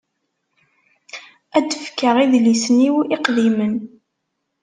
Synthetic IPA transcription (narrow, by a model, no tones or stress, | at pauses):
æd̪əfkːəʁiðlisəniwʔiqðimən